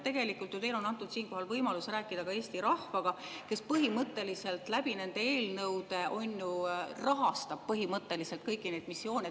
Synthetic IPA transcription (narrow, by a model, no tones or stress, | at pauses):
t̪e̞ɡe̞likːˑult̪jut̪e̞jlo̞nːɑnt̪ːˑud̪̥siːnŋko̞ɦɑlvɤjmɑlusɾæːkːˑid̪̥ɑkɑe̞ːsʲt̪iɾɑhvɑɡ̥ɑke̞spɤɦimɤt̪ˑːe̞lise̞lt̪ˑlæbine̞nd̪ee̞ːlnɤwd̪e̞ʔo̞njurɑɦɑst̪ɑb̥̚pɤɦimɤt̪ːˑe̞liselt̪̚kɤjkːˑine̞jd̪̚misːjo̞ːnʲe